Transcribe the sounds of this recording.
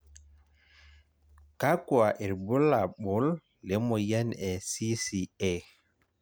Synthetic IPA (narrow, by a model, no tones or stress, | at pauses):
kakuaʔɛɾbɔlːaɓɔlː | ɛmɔjanɛsisiɛ